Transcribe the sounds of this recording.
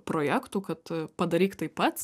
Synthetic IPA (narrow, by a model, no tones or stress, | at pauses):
pɾoːjæːkt̪uːkɐt̪pɐd̪ɐɾʲiːkt̪ɐɪpːɐt̪